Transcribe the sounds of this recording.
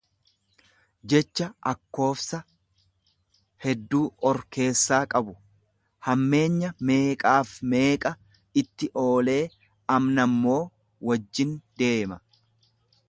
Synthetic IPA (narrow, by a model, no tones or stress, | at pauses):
d͡ʒɛt͡ʃːɐʔɐkːo̞ːfsɐ | hɛd̪ːuːʔɔɾke̞ːsːaːkʼɐbʊ | hɐmːe̞ːɲːɐme̞ːkʼaːfme̞ːkʼɐ | ɪt̪ːɪʔo̞ːle̞ː | ɐmnɐmːo̞ː | wɐd͡ʒːɪnd̪e̞ːmɐ